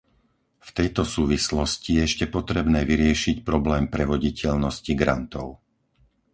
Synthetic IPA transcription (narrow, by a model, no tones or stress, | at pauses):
ft̪ɛjt̪ɔsuːʋislɔscijɛɛʃcɛpɔt̪ɾɛbnɛːʋiɾɪɛʃicpɾɔblɛːmpɾɛʋɔɟicʰɛʎnɔsciɡɾant̪ɔʊ